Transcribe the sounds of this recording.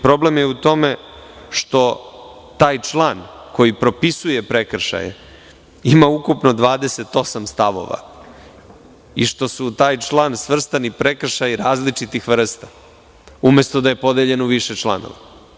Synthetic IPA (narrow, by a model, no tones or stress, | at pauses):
pɾo̞blemjeut̪o̞meʃt̪o̞t̪aːjt͡ʃlˠaːnko̞jipɾo̞pisuje̞pɾekr̩ʃa̰jḛ | imaukupno̞d̪ʋaːd̪e̞se̞t̪o̞samst̪aʋo̞̰ʋa̰ | iʂt̪o̞sut̪aːjt͡ʂlˠaːnsʋr̩st̪anipɾe̞kr̩ʃajiɾaːzlit͡ʂit̪ixʋr̩st̪a | ume̞st̪o̞d̪aje̞po̞d̪eʎe̞noʋiʃet͡ʃlˠa̰no̰ʋa